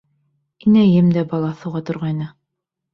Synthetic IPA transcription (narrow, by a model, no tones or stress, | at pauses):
inæjɘmd̪æbɑlˠɑθɤ̆wʁɑt̪ŏɾʁɑjnɤ